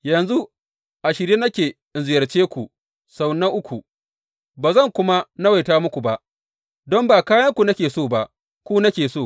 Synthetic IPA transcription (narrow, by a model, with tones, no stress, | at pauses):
jɐ˨nzu˦ | ʔa˨ʃɪ˨ɾiː˦nɐ˦kʲeː˨ʔɪ˨nzɪ˨jɐ˨rt͡ʃeː˦kʷu˨ | sa˨wnɐ˦ʔʊ˦kʷʰu˨ | baː˨zɐ˦˨ŋkʷʊ˦ma˦nɐ˦wa˨jtaː˦mʊ˦kʷu˨ba˨ʔ | dɔ˦mbaː˨kaː˦jɐ˦ŋkʷu˨nɐ˦kʲeː˨soː˦˨ba˨ʔ | kʷuː˦nɐ˦kʲeː˨soː˦˨